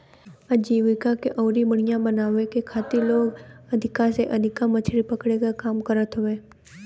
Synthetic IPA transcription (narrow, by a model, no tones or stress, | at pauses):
əd͡ʒiːʋɪkakeʔɔːɾibəɽ̤̃ɪjãbənaːʋekekʰaːt̪iloːɡɐd̪ʱɪkaseʔɐd̪ʱɪkãmət͡ʃʰɽipəkɽekakaːmkəɾət̪ɦʊʋeː